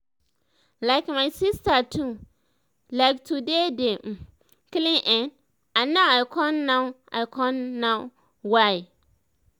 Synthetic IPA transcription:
laɪkmaɪsistatʰu | laɪktʰudede | klɪ̃ŋʔɛ̃n | ãnːãwaɪkʰɔnːãʊ | a̰ɪkʰɔ̃nːã | waɪ

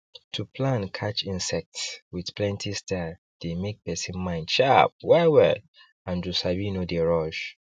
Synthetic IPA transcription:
tʰupʰlãnkʰat͡ʃĩnsɛk̚tswidplɛ̃ntʰistʰa | d̥emek̚pɛsĩnmãɪ̃ndʃap̚wɛwɛ | ãndusabinodeɹɔʃ

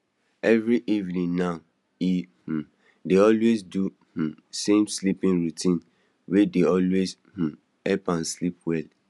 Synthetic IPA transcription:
ɛvɾiʔivnĩnːã | ih̩ | deɔlwezdu | h̩sẽmslipĩnɹutʰĩn | wedeɔlwez | h̩ | ɛpãnslip̚wɛl

